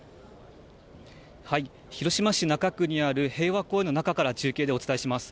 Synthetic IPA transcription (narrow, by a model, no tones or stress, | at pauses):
hai | çiɾo̞ɕimaɕinakakɯ̟ɲ̟iaɾɯ̟he̞ːβako̞ːe̞no̞nakakaɾad͡ʑɨːkʲe̞ːd̪e̞o̞t͡sɨ̥t̪aeɕimasɨ̥